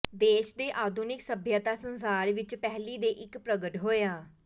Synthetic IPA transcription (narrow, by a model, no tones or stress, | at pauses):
d̪eːʃd̪eːʔaːd̪ʱunɪksəbʱjət̪aːsənsaːɾʋɪt͡ʃpɛɦliːd̪eːʔɪkpɾəɡəʈɦoːjaː